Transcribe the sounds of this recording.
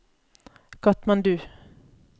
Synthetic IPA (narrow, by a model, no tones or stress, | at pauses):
kʰɑt̪mɑnd̪ʉː